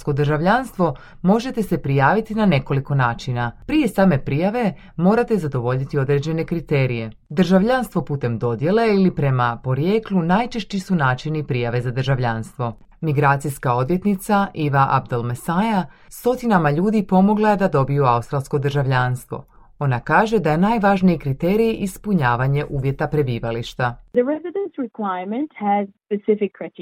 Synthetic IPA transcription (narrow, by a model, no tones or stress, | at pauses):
sko̞d̪rʒaʋʎaːnst̪ʋo̞ | mo̞ʒe̞t̪e̞se̞pɾijaːʋit̪inane̞ko̞liko̞naːt͡ʃinapɾije̞saːme̞pɾijaʋe̞ | mo̞ːɾat̪e̞zad̪o̞ʋo̞ʎit̪io̞d̪ɾe̞d͡ʑe̞ne̞kɾit̪e̞ːɾije̞ | d̪rʒaʋʎanst̪ʋo̞puːt̪e̞md̪o̞d̪je̞le̞ilipɾe̞mapo̞ɾje̞ːklˠunaːjt͡ʃe̞ʃt͡ɕisunaːt͡ʃinipɾijaʋe̞zad̪rʒaʋʎaːnst̪ʋo̞ | miɡɾaːt̪sijskao̞d̪ʋje̞t̪nit̪saʔiʋaʔa̰b̚d̪olˠmesajast̪o̞t̪inamaʎuːd̪ipo̞mo̞ɡlˠaje̞d̪ad̪o̞bijuaust̪ɾalˠsko̞d̪r̩ʒaʋʎaːnst̪ʋo̞̰ | o̞nakaːʒe̞d̪aje̞najʋaʒniikɾit̪e̞ːɾiiʔispuɲaːʋaɲe̞ʔuːʋje̞t̪apɾe̞biːʋaliʃt̪aðəɹɛzɪdə̃nsɹɪkʰwaɪmə̃nthəz̥spɨsɪfɪkʰːɹɪt